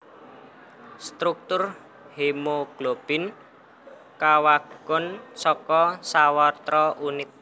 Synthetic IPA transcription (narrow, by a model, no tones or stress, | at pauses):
st̪ɾuk̚t̪ʊr | hemoɡ̥lob̥ɪn | kawaɡ̥ɔnsɔkɔsawɔt̪ɾɔʔunɪt̪̚